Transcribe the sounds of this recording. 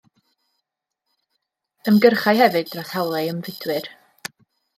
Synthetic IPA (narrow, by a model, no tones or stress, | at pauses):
əmɡərχajhɛvɨd̚draθhawlˠɛəmvɪd̥wɨr